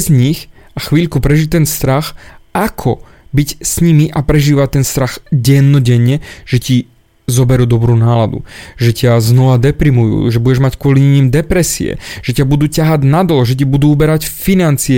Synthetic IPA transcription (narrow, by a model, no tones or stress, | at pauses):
zɲix | axʋiːʎkupɾɛʒict̪ɛnst̪ɾaxʔakʰɔ | bicsɲimiʔapɾɛʒiːʋact̪ːɛnst̪ɾaɣɟɛnːɔɟɛɲːɛʒ̥ɛci | zɔbɛɾuːd̪ɔbɾuːnaːlad̪ṵʒɛcaznɔʋad̪ɛpɾimujṵːʒɛbuɟɛʒmackʊɔliɲiɲimd̪ɛpɾɛsḭɛ̰ʒ̥ɛcabud̪uːcaɦaɟnad̪lɔʒɛc̬ibud̪uːubɛɾacfinant͡siɛ